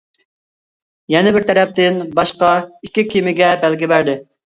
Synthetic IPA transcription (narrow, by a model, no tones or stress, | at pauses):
jɛnɪbɪɾt̪ʰɛɾɛp̚t̪ɪnbɑʃqɑikʲːikʲimɪɡʲɛbælɡʲɪbæɾd̪ɪ